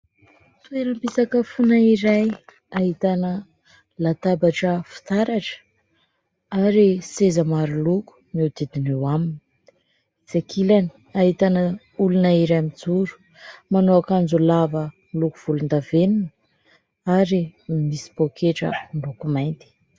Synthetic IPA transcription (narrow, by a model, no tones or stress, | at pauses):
t̪ueɾəmpisakəfunaiɾaj | aɦit̪anə | lat̪abaʈ͡ʂəfi̥t̪aɾaʈ͡ʂə̥ | aɾisezəmaɾuluku̥mid̪id̪inewamini | d͡zekʰilani̥ | aɦit̪anə | ulunaiɾajmid͡zuɾu̥ | manoakand͡ʒulavə | lukuv̥ulund̪aveninə | aɾimisi̥pokʰeʈ͡ʂə̰ɳlukumajnt̪i̥